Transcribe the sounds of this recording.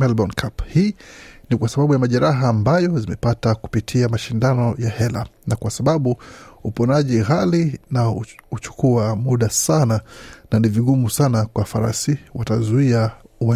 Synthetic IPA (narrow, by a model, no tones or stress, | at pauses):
mɛlɓɔnkʰaphiːnikwasaɓaɓujamaʄɛɾaɦaːmbajɔzimɛpataku̥pitʰiamaʃindanɔjahɛla̰nakwasaɓaɓuupɔnaʄiɣalinaut͡ʃu̥kʰuamuɗasanananiviɠumusanakwafaɾa̰siwatazuiaua